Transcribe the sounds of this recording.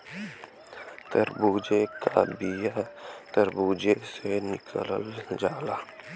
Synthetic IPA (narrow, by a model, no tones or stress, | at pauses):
t̪əɾbuːd͡ʒekabijat̪əɾbuːd͡ʒesenɪkʰələ̰ld͡ʒaːlaː